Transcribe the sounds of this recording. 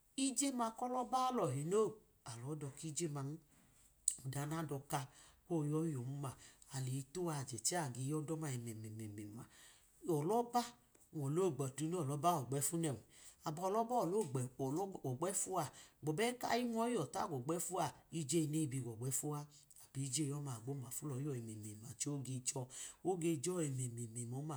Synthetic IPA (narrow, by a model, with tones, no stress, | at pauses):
i˦d͡ʒe˦ma˧kɔ˦lɔ˦ba˦lɔ˨ɦi˨no˦˨ | a˨lɔ˨˦dɔ˧ki˦d͡ʒe˦ma˧n̩˦˨ | da˨˦na˦dɔ˧ka˧ko˦˨jɔ˦jo˨mu˦ma˨a˨le˨i˧˦tu˦wa˧˨d͡ʒɛ˨t͡ʃi˦a˦˨ɡe˨˦jɔ˦dɔ˦ma˧ɛ˨mɛ˨mɛ˨mɛ˨mɛ˨˦a˨ | ɔ˨lɔ˦ba˦˨ | ɔ˨lo˦˨ɡ͡bɛ˨tu˨˦no˦ɔ˨lɔ˨˦ba˦ɔ˨ɡ͡bɛ˨˦fu˦nɛ˨a˨bɔ˧lɔ˦bɔ˦˨lo˦˨ɡ͡bɛ˨˦˨ɔ˨ɡ͡bɛ˦fu˦a˧˨ɡ͡bɔ˨bɛ˦ka̰˦i˦mʷ˦ɔ˦jɔ˨ta̰˦˨ɡɔ˨ɡ͡bɛ˦fu˦a˧˨i˧˦d͡ʒe˦˧ne˦i˧bi˧˨ɡɔ˨ɡ͡bɛ˨˦fu˦a˧ | a˨bi˨˦d͡ʒe˦˨jɔ˦maː˨ɡ͡bo˦ma˨fu˦lɔ˨˦jɔ˧˨e˨me˨me˨ma˨t͡ʃi˦o˦ɡe˧d͡ʒɔ˧o˦ɡe˧d͡ʒɔ˦e˨me˨me˨me˨mo˨˦ma˧˨